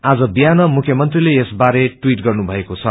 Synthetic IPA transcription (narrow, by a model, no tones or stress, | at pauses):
ad͡zʌbijanʌmukʰjʌmʌnt̪rileesbaɾeʈwiʈɡʌrnubʱʌekot͡sʰʌ